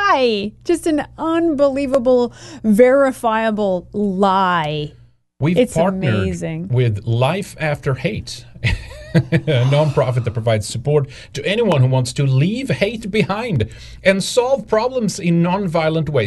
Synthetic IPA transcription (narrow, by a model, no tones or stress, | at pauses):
ɪd̥ʒ̥ʌstɨ̃nʌ̃nbəlivəbl̩ˠvɛɹɨfaɪɨbl̩ˠlaɪ | wivɨtspʰɑɹtnəe˞ɪdzɪ̃ŋwɪðlaɪfæftə˞heɪt | ɨnɑ̃npʰɹ̥ɑfɨt̪̚ðɨt̚pʰɹəvaɪdz̥sɨpɔɹtʰɨʔɛñiwʌ̃nhuwɑ̃ntstʰɨliv̥heɪt̚b̥ɨhãɪ̃nd | ɨ̃nsɑlˠv̥pʰɹ̥ɑblə̃mzɪ̃nːɑ̃nvaɪl̩ˠə̃nʔ̚weɪ